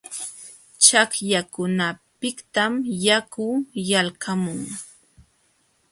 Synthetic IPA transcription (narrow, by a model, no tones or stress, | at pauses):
t͡ʃakjakʊnapɪkt̪amjakʊjalkʰamʊŋ